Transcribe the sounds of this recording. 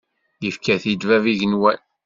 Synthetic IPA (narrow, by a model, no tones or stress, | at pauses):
jəfkæθid̪væviʝənwæn